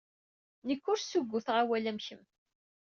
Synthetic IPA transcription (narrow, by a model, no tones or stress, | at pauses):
nəkːʊɾsuɡʷːuθʁawælæmçəm